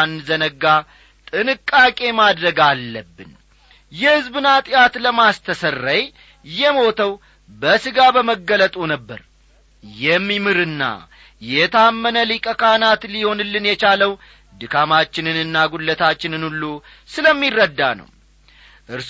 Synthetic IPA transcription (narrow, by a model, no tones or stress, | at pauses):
nzənəɡa | t̪ʼɨnɨkʼːakʼe̞mad̪ɾəɡalːəbːɨn | jɛhɨzbɨnat̪ʼɪjat̪ləmast̪ʰəsərːəj | jɛmo̞t̪ʰəw | bəsɨɡabəməɡːələt̪ʼunəbːə̰ɾ | jɛmːimɨɾɨnːa̰ | jɛt̪ʰamːənəlikʼəkʰanat̪liho̞nɨlːɨnjɛt͡ʃaləw | d̪ɨkʰamat͡ʃːɪnɨnɨnːaɡulːət̪ʰat͡ʃːɪnɨnulːu | sɨləmːirːəd̪ːa̰nə̰w | ʔɨɾs